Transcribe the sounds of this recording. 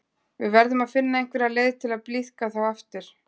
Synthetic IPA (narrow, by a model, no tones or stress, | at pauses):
vɪðvɛɾðʏmaðfɪnːaejŋ̥kvɪɾaðleːjðɪt̪ʰɪlaðpliðkaθawɛft̪ɪɾ̥